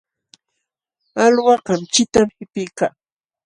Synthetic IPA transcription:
alwɑɢɑmt͡ʃɪt̪amhɪpɪkaː

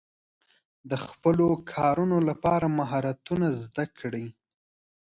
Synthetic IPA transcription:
d̪əxpəlokʰɑɾunolapɑɾamaɦɑɾat̪unazd̪akʰɽi

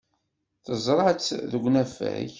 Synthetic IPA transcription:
θəzˤɾˤɑħt͡sːðəɡʷnæfæ̰ç

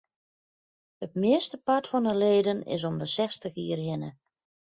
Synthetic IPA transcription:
ətmɪəstəpatfɔnəleːdənɪ̰s̬ɔmdəsɛstəxiːərhɪnə

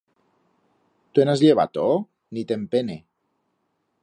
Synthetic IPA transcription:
t̪uenazʎeβa̰t̪o | nit̪empene

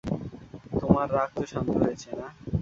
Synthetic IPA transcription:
t̪omaɾːak̚t̪oʃand̪ɦoet͡ɕʰena

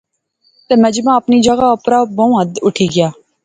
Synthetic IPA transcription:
t̪eːmɛ̃d͡ʒmãːəpniːd͡ʒəɡaːəpɾaːbõũɦə̃d̪ʊʈʰiːɡɪjaː

